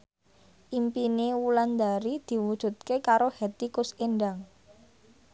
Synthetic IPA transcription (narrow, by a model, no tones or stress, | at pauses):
ʔimpinewuland̪aɾid̪̥i̤wud̥ʒ̥ṳt̪̚kekaɾohet̪ikʊsenɖaŋ